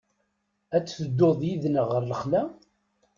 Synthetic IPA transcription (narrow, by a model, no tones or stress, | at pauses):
æt͡sːθəd̪ːoðˤjiðnəʁərːəχlæ